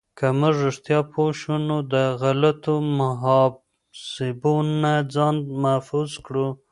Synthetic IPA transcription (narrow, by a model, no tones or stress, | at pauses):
kamʊʐʊʂt̪jɑpʰoʃunod̪əɣalat̪omʊɦɑb | sɪbonːad͡zɑnd̪mahfuzkɽu